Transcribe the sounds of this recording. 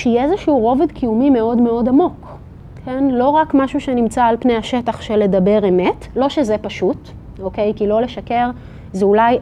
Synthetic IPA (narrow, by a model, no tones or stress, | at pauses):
ʃjɛezeʃiuʁo̞vedkʰijumime̞o̞dmeo̞damo̞kʰ | enlo̞ʁakmaʃuʃenimt͡saːlpnejhaʃetaχʃele̞dɐbe̞ʁeme̞tlo̞ʃezepaʃut | oke̞jkilo̞leʃake̞ʁ | zeulaj